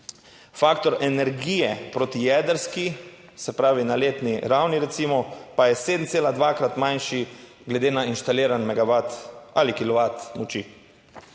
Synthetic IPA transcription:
faːkt̪ɔɾɛnɛɾɡiːjɛpɾot̪ijɛːd̪əɾski | sɛpɾaːʋinaleːt̪niɾawniɾɛt̪siːmɔpajɛseːd̪n̩t̪seːlad̪ʋaːkɾat̪manʃi | ɡlɛd̪eːnainʃt̪aliːɾanmɛɡaʋat̪alikilɔʋat̪mɔt͡ʃḭ

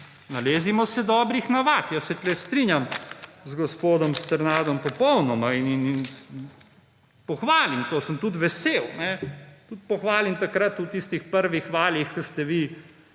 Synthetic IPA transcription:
naleːzimɔsɛd̪ɔːbɾixnaʋat̪jasɛt̪lɛst̪ɾinjamzɡɔspoːd̪ɔmst̪ɛɾnaːd̪ɔmpɔpɔwnɔmaininn | pɔxʋaːlimt̪oːsəmt̪ut̪ʋɛsewnɛt̪ut̪̚pɔxʋaːlimt̪akɾat̪uwt̪ist̪ixpəɾʋixʋaːlixkəst̪ɛʋi

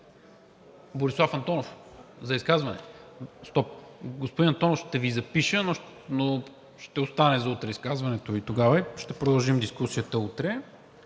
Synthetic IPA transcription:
boɾislˠafɐnt̪ɔnofzɐiskazvɐnɛst̪ɔp̚ɡospod̪inɐnt̪ɔnofʃt̪ɛvizɐpiʃənono | ʃt̪ɛost̪anɛzɐut̪ɾɛiskazvɐnɛt̪oit̪oɡavəiʃt̪ɛpɾod̪ɐlˠʒimd̪iskusijət̪əut̪ɾɛ

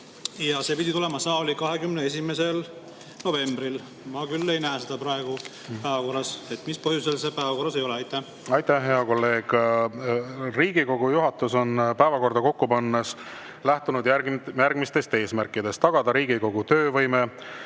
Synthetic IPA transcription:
jɑse̞pid̪ʲit̪ulemɑsɑːlʲikɑɦe̞kymnee̞s̬ʲime̞se̞l | no̞ve̞mb̥ɾil | mɑkylːe̞jnæːsed̪ɑpɾɑeɡ̥u | pæːvɑko̞rːɑset̪mispɤhjuselsepæːvɑko̞rːɑsejo̞leɑjt̪ːˑæh | ɑjt̪æhɦe̞ɑko̞lːe̞ːɡ̥ | riːɡiko̞ɡ̥ujuɦɑt̪ːˑuso̞npæevɑko̞rd̪̥ɑko̞kːupɑnːes | læht̪unud̪jæjærɡ̥mist̪e̞st̪e̞ːsmærkˑːid̪e̞st̪ːɑɡ̥ɑd̪ɑɾiːɡiko̞ɡ̥ut̪ø̞ːvɤjme

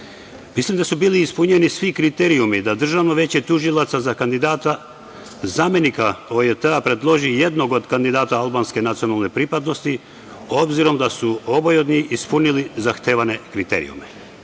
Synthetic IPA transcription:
mislimd̪asubiːliːspuɲenisʋikɾit̪eɾiumid̪ad̪r̩ʒaʋno̞ʋe̞t͡ɕet̪uʒilˠat̪sazakand̪id̪aːt̪a | zaːme̞nikaoet̪eapɾe̞d̪lˠo̞ʒijed̪no̞ɡo̞d̪kand̪id̪aːt̪aalˠbaːnske̞nat̪sio̞nalˠne̞pɾipad̪no̞st̪i | o̞bziɾo̞md̪asuo̞bojod̪niispunilizaxt̪e̞ːʋane̞kɾit̪ḛːɾḭṵme

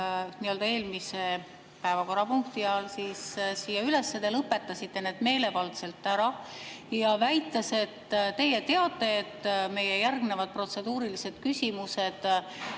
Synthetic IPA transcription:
niold̪ɑe̞ːlmise̞ | pæevɑko̞rːɑpuŋk̚t̪iɑːlsiːssiːjɑyle̞sːed̪̥elɤpːe̞t̪ːɑsʲit̪ːe̞ne̞ːd̪̥me̞ːle̞vɑlt̪se̞lt̪ːæɾɑ | jɑvæjt̪ːˑɑse̞t̪ːt̪e̞je̞t̪e̞ɑt̪ːˑe̞ːt̪ːme̞jejærɡne̞vɑd̪̥̚pro̞t̪se̞d̪̥uːɾilise̞d̪̥kysʲimuse̞d̪̥

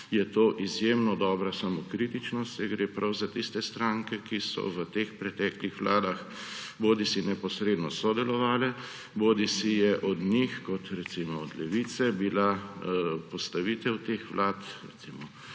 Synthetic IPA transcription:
jɛt̪oːʔizjeːmnɔd̪ɔːbɾasamokɾiːt̪it͡ʃnɔst̪ɛɡɾeːpɾʔawzat̪ist̪ɛst̪ɾaŋkɛkisɔ̰ʋət̪expɾɛt̪ɛːklixʋlaːd̪ax | boːd̪isinɛpɔsɾeːd̪nɔsɔd̪ɛlɔʋaːlɛ | bod̪isijɛʔɔd̪ɲixkɔt̪ɾɛt̪simɔːd̪lɛʋiːt̪sɛbila | pɔst̪aʋiːt̪ɛwt̪exʋlaːt̪ɾɛ̰t̪simɔ

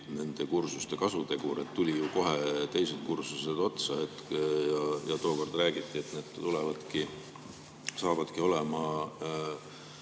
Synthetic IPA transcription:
ne̞nd̪̥e̞kursust̪e̞kɑsut̪e̞ɡ̥uɾe̞t̪ːulʲijuko̞ɦe̞t̪e̞jse̞d̪̥̚kursuse̞d̪̥o̞t̪sɑe̞t̪jɑjɑt̪o̞ːko̞rd̪ræːɡ̥it̪ˑːiet̪neːd̪̥tulevɑd̪̥ki | sɑːvɑd̪̥kio̞le̞mɑ

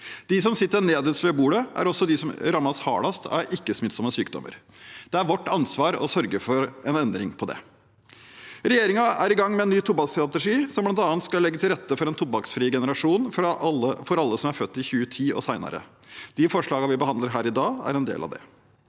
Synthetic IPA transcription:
d̪̥ɪsɔmsɪt̪ːəneːd̪əsʋeːbuːɽəʔæ̰ɾɔsːɔd̪ɪsɔmɾɑmːɑshɑ̰ːlɑst̪ʰæ̰ɾɪkːəsmɪt̪sɔmːəsyːkd̪ɔ̰mʔə̰ɾ | d̪̥ɛæɾʋɔʈːɑnsʋɑːɾɔ̰sœɾɡəɾfɔɾɛnɛnd̪ɾɪŋpʰɔd̪ɛ̰ | ɾɛjeːɾɪŋɑæɾɪɡɑŋːmɛɛnːyːt̪ʰʊbɑkst̪ɾɑt̪ɛʂiːsɔmblɑnt̪ɑːnt̪skɑlːɛɡːət̪ʰɪlɾɛt̪ːəfɔɾɛnt̪ʰʊbɑksfɾiːəɡɛnəɾɑʂuːnfəfɔɾɑlːəsɔmæɾfœt̪ːɪçʉːət̪ʰiːo̰ːsæɪnɑ̰ɾə̰d̪̥ɪfɔʂɭɑːɡɑʋɪbəhɑnd̪ləɾɦæːɾɪd̪ɑːæ̰ɾɛnd̪ḛːlɑ̰ʋd̪ɛ̰

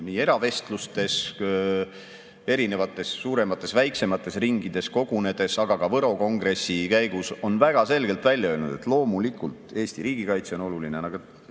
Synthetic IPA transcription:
niːe̞ɾɑve̞st̪lust̪e̞s | e̞ɾine̞vɑt̪ːˑe̞sːuːɾe̞mɑt̪ːˑe̞svæjkse̞mɑt̪ːˑe̞sriŋɡid̪̥e̞sko̞ɡ̥une̞d̪e̞sɑɡ̥ɑkɑvɤɾo̞ko̞ŋɡ̥ɾe̞sːikæjɡuso̞nvæɡ̥ɑse̞lɡe̞lt̪vælʲːjɑø̞ːlnud̪̥e̞̰t̪ːˑlo̞ːmulikult̪ˑe̞ːst̪iɾiːɡ̥ikɑjt̪seo̞no̞lulinenɑɡet̪

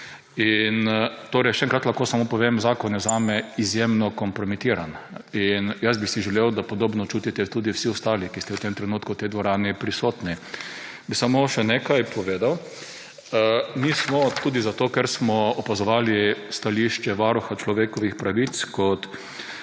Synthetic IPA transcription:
int̪oːɾɛjʃɛɛŋkɾat̪laxkoːsamopɔʋemzaːkɔnɛzaːmɛizjemnɔkɔmpɾɔmit̪iːɾaninjasbisiʒɛlewd̪apɔd̪oːbnɔt͡ʃuːt̪it̪ɛt̪uːd̪iwsiʊst̪aːlikist̪ɛwt̪emt̪ɾɛnuːt̪kut̪ɛjd̪ʋɔɾaːnipɾisoːt̪ni | bisamoʃɛnekajpʰɔʋeːd̪aw | mismɔt̪uːd̪izat̪oːkɛɾsmɔɔpazɔʋaːlist̪aliʃt͡ʃɛʋaːɾuxat͡ʃlɔʋeːkɔʋixpɾaʋit̪skɔt̪

